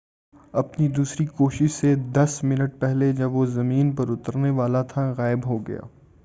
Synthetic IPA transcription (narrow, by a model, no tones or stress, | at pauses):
ɐpnid̪uːsɾikoːʃɪʃsed̪ɐsmɪnəʈ̚pɛɦled͡ʒɐbʋozɐmiːnpɐɾʊt̪əɾneʋaːlat̪ʰaɣaːɪbɦoɡɐ̰ja̰ː